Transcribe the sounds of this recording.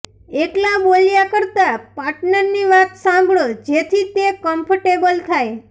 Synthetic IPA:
eklabolijakəɾt̪apaɾʈnəɾniʋat̪sãmbʱɭod͡ʒet̪ʰit̪ekəmpʰəʈebəlt̪ʰaj

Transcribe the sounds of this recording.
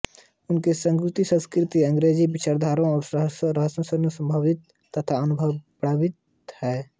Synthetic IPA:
ʊnkesə̃ŋkɾut̪isə̃skɾɪt̪iə̃ŋɡɾeːd͡ʒibɪt͡ʃaɾd̪ʱaːɾõɔːɾsəɦsɾəɦəsõsənusə̃mbʱaʋɪt̪ːət̪ʰaənʊbʱəʋpɽaːʋɪt̪ | hɛː

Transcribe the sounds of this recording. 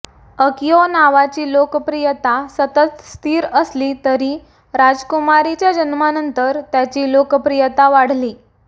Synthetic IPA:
əkijonaʋat͡ɕiːlokəpɾijət̪asət̪ət̪st̪ʰiːɾəsliːt̪əɾiː | ɾad͡zkumaɾit͡ɕjad͡ʑənmanənt̪əɾt̪jat͡ɕiːlokəpɾijət̪aʋaɽ̤liː

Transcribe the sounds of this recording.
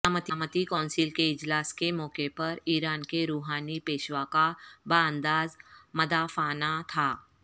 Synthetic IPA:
aːmət̪iːmət̪ikɔ̃ːnsɪlkeɪd͡ʒlaːskemɔːkepɐɾiːɾaːnkeɾuːɦaːnipeːʃwakabaːə̃nd̪aːzmɐd̪afaːnat̪ʰaː

